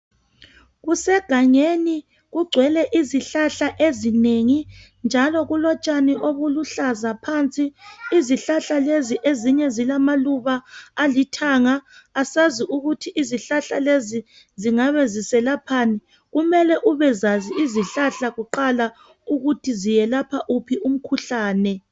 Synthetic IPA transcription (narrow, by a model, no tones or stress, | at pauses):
ɣusɛɡ̥ʱaŋeni | ɣuɡ͡ǀʱwɛlɛʔiziɬaɬaʔezineŋi | nd͡ʒʱalɔɣulɔt͡ʃʼaniʔoβuluɬazapʰant͡sʼiːziɬaɬaleziʔeziɲɛzilamaluβaːlitʰaŋaːsaziʔuɣutʰiʔiziɬaɬalezi | ziŋaβezisɛlapʰaːni | ɣumɛlɛʔuβɛzaziiziɬaɬaɣuǃala | uɣutʰizijɛlapʰaʔupʰiʔum̩kʰuɬaːnɛ